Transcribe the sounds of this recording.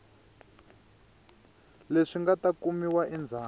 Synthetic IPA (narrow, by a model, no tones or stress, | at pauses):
leʂiŋɡatakumiwaʔind͡zʱaː